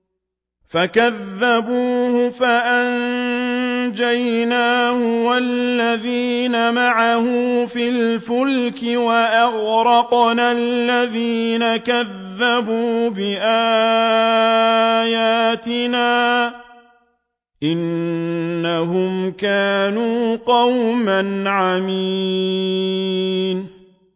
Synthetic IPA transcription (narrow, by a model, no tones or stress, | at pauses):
fakaðːabuːhʊfaʔan | d͡ʒajnaːhʊwalːaðiːnamaʕahʊmfilfʊlkɪwaʔaɣɾɑqnalːaðiːnakaðːabuːbɪʔaː | jaːt̪ɪnaː | ʔɪnː | aɦʊmkaːnuːqɑwmanʕami | n